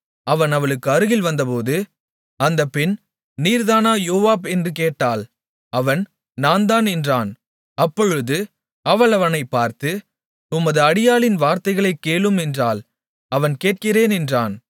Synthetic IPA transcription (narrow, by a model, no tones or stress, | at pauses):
ɐʋɐnɐʋɐɭɯkːɯɐɾɯɣɪlʋɐnd̪ɐpoːðɯ | ɐnd̪ɐpːɪn | niːɾðaːnaːjoːʋaːbɛndrɯkeːʈːaːl | ɐʋɐn | naːnd̪aːnɛndraːn | ɐpːɔɻɯðɯ | ɐʋɐɭɐʋɐnɐɪpːaːɾt̪ɯ | ʊmɐðɯɐɽɪjaːlɪnʋaːɾt̪ɐɪɣɐɭɐɪkːeːɭɯmɛndraːl | ɐʋɐnkeːʈ̚kɪreːnɛndraːn